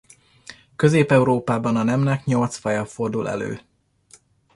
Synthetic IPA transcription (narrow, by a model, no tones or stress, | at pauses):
kø̞zeːpɛuɾoːpaːbɒnɒnɛmnɛkɲo̞lt̪sfɒjɒfo̞rd̪ulɛ̰lø̰ː